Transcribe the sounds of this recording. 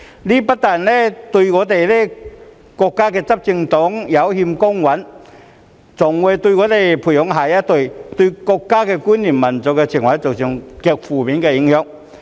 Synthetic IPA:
liː˥pɐ˥t̚t̪a˨˩nlɛː˥t̪ɵ˧ŋɔː˨˧t̪̬e˨jlɛː˥ | kɔː˧kːaː˥kɛː˧t͡sɐ˥p̚t͡sɪ˧ŋt̪ɔ˨˥ŋjɐ˨˧˥whi˧mkʊ˥ŋwɐ˨˥n | t͡sʊ˨˩ŋwu˨˧jt̪ɵ˧ŋɔː˨˧t̪e˨jpʰu˨˩jhʊ˨˧˥ŋɦaː˨˩jaː˥t̪o˨˧jt̪ɵ˧kɔː˧kːaː˥kɛː˧kuː˥nːiː˨˩nmɐ˨˩nt͡sɔ˨˩kːɛ˧t͡ɕʰi˨˩ŋwa˨˥t͡sɔ˨˩k̚t͡ɕi˧ŋkɛ˧k̚fuː˨˩miː˨˧˦nkɛː˧ji˨˧˥ŋhœː˧ŋ̚

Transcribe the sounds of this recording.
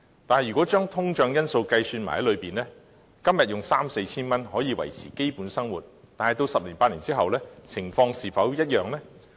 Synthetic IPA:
t̪aː˨nhjɥyː˨˩kɔː˨˥t͡ʃœː˥ŋt̪ʰʊ˥ŋt͡ʃœː˨˧ŋjɐ˥nso˧wkɐ˧jsyː˧nma̰ː˨˩hɐ˨˥lɵ˨˧ɥpiː˨˩nlɛː˥ | kɐ˥mjɐ˨t̚jʊ˨ŋsaː˥mse˧jt͡sʰiː˥nmɐ˥nɦɔː˨˥jiː˨˧wɐ̰˨˩jt͡sʰḭː˨˩ke˥jpuː˨˥nsɐ˥ŋwṵː˨˩t̚ | t̪aː˨nhɐ˨jt̪o˧wsɐ˨p̚liː˨˩npaː˧t̚liː˨˩nt͡siː˥ɦɐ˨wlɛː˥t͡sʰɪ˨˩ŋfɔː˧ŋsiː˨˩fɐ˨˥wjɐ˥t̚jœː˨ŋlɛː˥

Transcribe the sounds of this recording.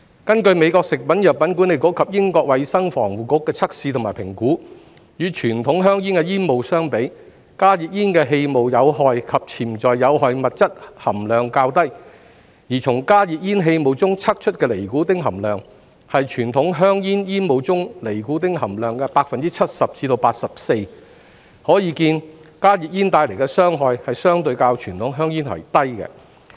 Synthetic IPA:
kɐ˥nkɵ˧ɥme˨˧jkɔː˧ksɪ˨k̚pɐ˨˥njɐ˨t̚pɐ˨˥nku˨˥nle˨jkoː˨˥wkʰɐ˨p̚jɪ˥ŋkɔː˧k̚wɐ˨˧jsɐ˥ŋfɔ̰ː˨˩ŋwuː˨kʊ˧˥kːɛː˧t͡sʰɐ˥k̚siː˧t̪ʰʊ˨˩maː˨˩jpʰɪ˨˩ŋkuː˨˥ | jyː˨˧t͡ʃʰyː˨˩nt̪ʰʊ˨˥ŋɦœː˥ŋjiː˥nkɛː˧jiː˥nmo˨wsœː˥ŋpe˨˥j | kaː˥ji˨k̚jiː˥nkɛː˧ɦe˧jmo˨wjɐ˨˧wɦɔː˨˧jkʰɐ˨p̚t͡sʰiː˨˩mt͡ʃɔː˨jːɐ˨˧wɦɔː˨jmɐ˨t̚t͡sɐ˥t̚hɐ˨˩mlœː˨ŋkaː˧wt̪ɐ˥j | jiː˨˩t͡sʰʊ˨˩ŋkaː˥jiː˨t̚jiː˥nɦe˧jmo˨wt͡sʊ˥ŋt͡sʰɐ˥k̚t͡ʃʰɵ˥t̚kɛː˧le˨˩jkuː˨˥t̪ɪ˥ŋɦɐ˨˩mlœː˨ŋ | hɐ˨jt͡ʃʰyː˨˩nt̪ʰʊ˨˥ŋɦœː˥ŋjiː˥njiː˥nmo˨˧wt͡sʊ˥ŋle˨˩jku˨˥t̪ɪ˥ŋɦɐ˨˩mlœː˨ŋkɛ˧paː˧k̚fɐ˨nt͡siː˥t͡sʰɐ˥t̚sɐ˨p̚t͡siː˨˥t̪o˧wpaː˧t̚sɐ˨p̚se˧j | hɔː˨˥jiː˨˧kiː˧nkaː˥jiː˨t̚jiː˥nt̪aː˧jle˨˩jkɛ˧sœː˥ŋɦɔː˧jhɐ˨jsœː˥ŋt̪ɵ˧ɥkaː˧wt͡ʃʰyː˨˩nt̪ʰʊ˨˥ŋɦœː˥ŋjiː˥nhɐ̰˨˩jt̪ɐ˥jkɛ̰˧

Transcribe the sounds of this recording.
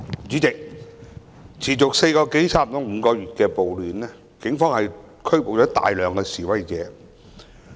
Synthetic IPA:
t͡syː˨˥t͡sɪ˨k̚ | t͡sʰiː˨˩t͡ʃʊ˨k̚se˧jkɔː˧ke˨˥jsaː˥m˨t̪ɔ˨˥m̩ː˨˧kɔː˧ɥyː˨t̚kɛː˧po˨wlyː˨nlɛː˥ | kɪ˨˥ŋfɔː˥ŋhɐ˨j | kʰɵ˥ɥpo˨wt͡ʃɔː˨˥t̪a̰ː˨jlœː˨˧ŋkɛː˧siː˨˩wɐ˨˥jt͡sɛ̰ː˨˧˥

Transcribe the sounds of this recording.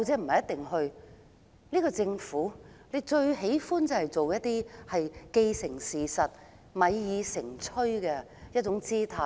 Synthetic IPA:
wt͡sɛː˧˥m̩˨˩hɐ˨jɐ˥t̪̚ɪ˨ŋɦɵ˧ɥ | niː˥kɔː˧t͡sɪ˧ŋfuː˨˥le˨˧t͡ʃɵ˧ɥhe˨˥jfuː˥nt͡sɐ˨˧hɐ˨jt͡so˨wjɐ˥t̚t̪ːiː˥hɐ˨jke˧jsɪ˨˩ŋsiː˨˩sɐ˨t̚ | mɐ˨˧jjiː˨˧sɪ˨˩ŋt͡ʃʰɵ˥ɥkɛ˧ | jɐ˥t̚t͡ʃʊ˨˥ŋt͡siː˥t̪ʰaː˧

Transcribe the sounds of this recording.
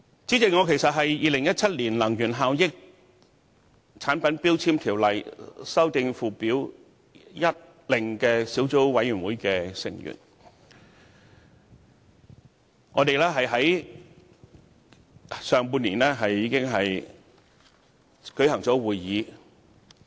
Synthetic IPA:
t͡siː˨˥t͡sɪ˨ŋɔː˨˧kʰe˨˩jsɐ˨t̚ɦɐ˨jjiː˨˧lɪ˨˩ŋjɐ˥t̚t͡sʰɐ˥t̚liː˨˩nlɐ˨˩ŋjyː˨˩nɦaː˨˧wjɪ˥k̚ | t͡sʰaː˨˥npɐ˨˥npiː˥wt͡sʰiː˥mt̪ʰiː˨˩wlɐ˨jsɐ˥wt̪ɪ˧ŋfuː˨˩piː˨˥w | jɐ˥t̚ | lɪ˨˩ŋkɛː˧siː˨˥wt͡so˥wwɐ˨˧˥jyː˨˩nwuː˨˥jkɛː˧sɪ̰˨˩ŋjy̰ː˨˩n | ŋɔː˨˧t̪e˨jlɛː˥ɦɐ˨jɦɐ˨˥j | sœː˨˧ŋp̬uː˧nliː˨˩nlɛː˥ɦɐ˨jːiː˨˧kɪ˥ŋɦɐ˨j | kɵ˨˥ɥɦɐ˨˩ŋt͡sɔː˨˥wuː˨jːiː˨˧

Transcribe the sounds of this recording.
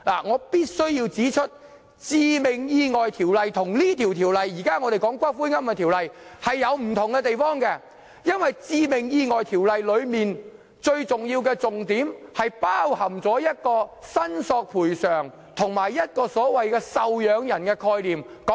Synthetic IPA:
la̰ː˨˩ŋɔː˨˧piː˥t̚sɵ˥ɥjiː˧wt͡siː˨˥t͡ʃʰɵ˥t̚ | t͡siː˧mɪ˨˩ŋjiː˧ŋɔː˨jt̪ʰiː˨˩wlɐ˨jt̪ʰʊ˨˩ŋliː˥t̪ʰiː˨˩wt̪ʰiː˨˩wlɐ˨jːiː˨˩kaː˥ŋɔː˨˧t̪e˨jkɔː˨˥ŋkʷɐː˥fuː˥ŋɐ˥mkɛ˧t̪ʰi˨˩wlɐ˨jhɐ˨jːɐ˨˧wm̩˨˩t̪ʰʊ˨ŋkɛ˧t̪e˨jfɔː˥ŋkɛ˧ | jɐ˥nwɐ˨jt͡siː˧mɪ˨˩ŋjiː˧ŋɔː˨jt̪ʰiː˨˩wlɐ˨jlɵ˨˧ɥmiː˨n | t͡ʃɵ˧ɥt͡sʊ˨ŋjiː˧wkɛ˧t͡sʊ˨ŋt̪iː˨˥mhɐ˨jpaː˥whɐ˨˩mt͡sɔː˨˥jɐ˥t̚kɔː˧sɐ˥nsɔː˧k̚pʰuː˨˩jsœː˨˩ŋ | t̪ʰʊ˨˩ŋmaː˨˩jːɐ˥t̚kɔː˧sɔː˨˥wɐ˨jkɛː˧sɐ˨˧wjœː˨˧ŋjɐ˨˩nkɛː˧kʰɔː˧jliː˨mkɔ˨˦˥

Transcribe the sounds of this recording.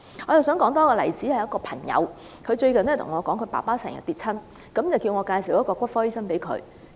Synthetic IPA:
ŋɔː˨˧jɐ˨˩ws̬œː˨˥ŋkɔː˨˥ŋt̪ɔː˥kɔː˧lɐ˨˩jt͡siː˨˥hɐ˨jɐ˥tkɔː˧pʰɐ˨˩ŋjɐ̰˨˧w | kʰɵ˨˧ɥt͡ʃɵ˧ɥkɐ˨nlɛ˥t̪ʰʊ˨˩ŋɔː˨˧kɔː˨˥ŋkʰɵ˧ɥpa̰ː˨˩paː˥sɛ̰ː˨˩ŋjɐ̰˨t̪iː˨˧t̚t͡sʰɐ˥n | kɐ˨˥mt͡sɐ˨wkiː˧wŋɔː˨˧kaː˧jsi˨˩wjɐ˥kɔː˧kʷɐ˥t̚fɔː˥ji˥sɐ˥npe˨˥jkʰɵ̰˨˧ɥ

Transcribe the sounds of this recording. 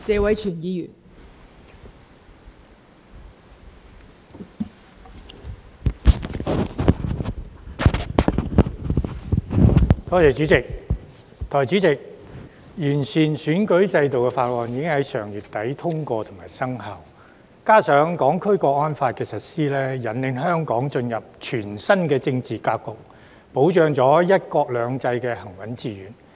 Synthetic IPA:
t͡sɛː˨˧wɐ˨˥jt͡ʃʰyː˨˩njiː˨˧jyː˨˩n | t̪ɔː˥t͡sɛː˨˧t͡ʃyː˨˥t͡sɪ˨k̚ | t̪ɔː˨˩jt͡ʃyː˨˥t͡sɪ˨k̚ | jyː˨˩nsyː˨˩nsyː˨˥nkɵ˨˥ɥt͡sɐ˧jt̪o˨wkɛ˧faː˧t̚wɔː˨˩njiː˨˧kɪ˥ŋhɐ˨˥jsœː˨˩ŋjyː˨t̪ɐ˨˥jt̪ʰʊ˥ŋkɔː˧t̪ʰʊ˨˩ŋmaː˨˩jsɐ˥ŋɦɐ˨w | kaː˥sœː˨˥ŋkɔː˨˥ŋkʰɵ˥ɥkɔː˧ɔː˥nfaː˧t̚kɛː˧sɐ˨t̚siː˥lɛː˥jɐ˨˩nlɪ˨˧ŋɦœː˥ŋkɔː˨˥ŋt͡ʃɵ˧njɐ˨p̚t͡ʃʰyː˨˩nsɐ˥nkɛː˧t͡sɪ˧ŋt͡siː˨kaː˧kːʊ˨k̚ | po˨˥wt͡ʃœː˨˧ŋt͡sɔː˨˥jɐ˥t̚kɔː˧k̚lœː˨˧ŋt͡sɐ˧jkɛː˧hɐ˨˩ŋwɐ˨˥nt͡siː˧jyː˨˥n

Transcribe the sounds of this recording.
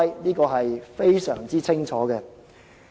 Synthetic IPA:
jniː˥kɔː˧ɦɐ˨jfe˥jsœː˨˩ŋt͡siː˥t͡sʰɪ˥ŋt͡sʰɔː˨˥kɛː˧

